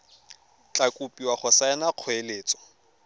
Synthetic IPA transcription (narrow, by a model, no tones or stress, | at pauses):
t͡ɬʼakʼupʼiwaχʊsaɛnaq͡χʰweleːt͡sʼɔ̥